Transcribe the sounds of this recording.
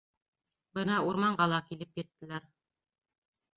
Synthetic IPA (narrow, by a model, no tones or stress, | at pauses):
bɤnɑuɾmɑɴɢɑlˠɑkilɘpjɘ̆t̪ːɘ̆læɾ